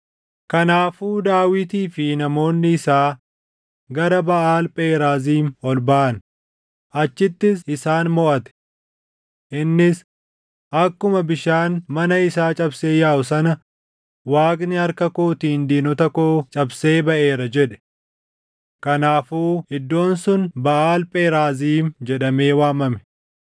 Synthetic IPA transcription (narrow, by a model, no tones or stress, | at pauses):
kɐnaːfuːd̪aːwɪt̪iːfɪnɐmo̞ːnːɪɪsaː | ɡɐɾɐbɐʔaːlpʼeːɾaːziːnɔlbɐʔɐn | ʔɐt͡ʃːɪt̪ːɪs̬ɪsaːnmɔʔɐt̪ɛ̥ | ʔɪnːɪs | ʔɐkːʊmɐbɪʃaːnmɐnɐɪsaːt͡ʃʼɐbseːjaːʔʊsɐnɐ | waːkʼnɪɐɾkɐkoːt̪iːnd̪iːnɔt̪ɐkoːt͡ʃʼɐbse̞ːbɐʔe̞ːɾɐd͡ʒɛᶑɛ̥ | kɐnaːfuːɪd̪ːo̞ːnsʊnbɐʔaːlpʼeːɾaːziːnd͡ʒɛᶑɐme̞ːwaːmɐmɛ̥